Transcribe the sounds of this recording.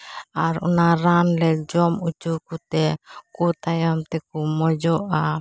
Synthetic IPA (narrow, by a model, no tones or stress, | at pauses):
aɾṵnaɾanlɛd͡ʒɔmut͡ʃukut̪ɛkut̪ajamt̪ɛkumɔd͡ʒɔʔa